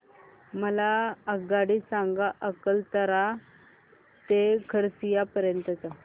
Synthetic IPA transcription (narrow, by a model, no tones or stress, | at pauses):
məlaəɡaɽisaŋɡaʔəkəlt̪əɾa | t̪ekʰəɾsijapəɾjənt̪ət͡sa